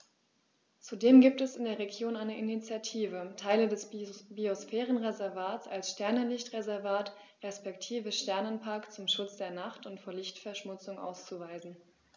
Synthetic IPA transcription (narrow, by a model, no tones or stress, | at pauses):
t͡sudeːmɡiːp̚tɛsɪndeːɐʁeɡjoːnaɪnəʔinit͡sjatʰiːvətʰaɪlədɛsbiosfɛːʁənʁezɛɐvaːtt͡salsʃtɛɐnəlɪçtʁezɛɐvaːt | ʁɛspɛktʰiːvəʃtɛɐnənpʰaɐkt͡sʊmʃʊt͡sd̥eːɐnaχtʊntfoːɐlɪçtfɛɐʃmʊt͡sʊŋʔa̰ʊst͡suvaɪzn̩